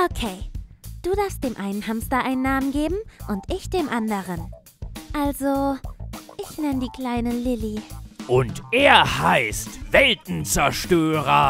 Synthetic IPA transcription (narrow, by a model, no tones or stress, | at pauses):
ʔokʰeɪd̥uːdaɐfstd̥eːmʔaɪnənhamstɐʔaɪnənːaːmənɡeːbm̩ʔʊntʔɪçd̥eːmʔandəʁən | ʔalzo | ʔɪçnɛnədiːkl̥aɪnəlɪliʔʊntʔeːɐhaɪstv̥ɛltn̩t͡sɛɐʃtøːʁɐ